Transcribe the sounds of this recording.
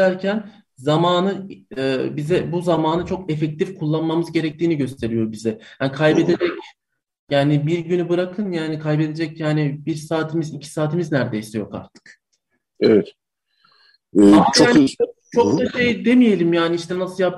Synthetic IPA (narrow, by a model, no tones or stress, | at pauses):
æɾcʰæn | zamaːnɯɛːbizɛbuzamaːnɯt͡ʃʰo̞kefɛc̚t̪ʰifkʰulˠːanmamɯzɟe̞ɾɛc̚t̪iːniɟø̞st̪ʰe̞ɾijo̞ɾbizɛjaːnkʰajbe̞d̪ed͡ʒɛc | jaːnibiɾɟynybɯɾakʰɯnjaːnikʰajbe̞d̪e̞d͡ʒɛcjaːnibiɾsaːt̪ʰimizicʰi̥saːt̪ʰimiznæɾd̪e̞jsɛjo̞ka̰ɾt̪ʰɯ̥k | evɛt̪ | aot͡ʃʰokd̪aʃejd̪e̞mije̞lʲimjaːniiʃt̪ɛnasɯlˠjap̚